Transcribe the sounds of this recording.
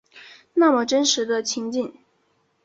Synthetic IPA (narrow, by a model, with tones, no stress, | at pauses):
na˥˩mə˨˩ʈ͡ʂə˥nʂɻ̩˧˥d̪ə˧t͡ɕʰi˧˥ŋt͡ɕi˥˩n